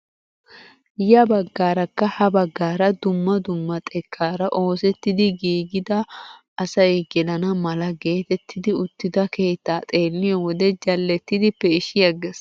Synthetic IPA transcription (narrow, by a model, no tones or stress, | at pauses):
jɐbɐɡːaːɾɐkːɐhɐbɐɡːaːɾɐd̪ʊmːɐd̪ʊmːɐt̪ʼɛkʰːaːɾɐʔo̞ːsɛt̪ːɪd̪ɪɡiːɡɪd̪ɐː | sɐjɛɡɛlɐnɐmɐlɐɡe̞ːt̪ɛt̪ːɪd̪ɪʊt̪ːɪd̪ɐke̞ːt̪ːaːt̪ʼe̞ːlːɪjɔwɔd̪ɛd͡ʒɐlːɛt̪ːɪd̪ɪpːɛɪʃɪjɐɡɛs